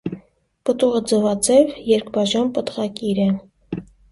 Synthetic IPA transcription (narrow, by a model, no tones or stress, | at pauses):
pət̪uʁəd͡zəvɑd͡zɛvjɛɾkbɑʒɑnpət̪ʁɑkiɾɛ